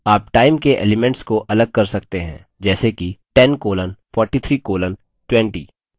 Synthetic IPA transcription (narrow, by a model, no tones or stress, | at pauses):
aːpʈaːɪmkeʔḛːlɪmɛ̃ɳʈskoʔɐləɡ̚kɐɾsɐkt̪eɦɛ̰̃ː | d͡ʒɛːsekiʈɛnkoːlənfɔːɾʈit̪ʰɾiːkoːlən | ʈwɛ̃ɳʈḭː